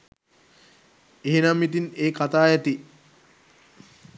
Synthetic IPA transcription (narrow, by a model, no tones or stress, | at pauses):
eɦenamit̪̬ineːkat̪aːjɛt̪i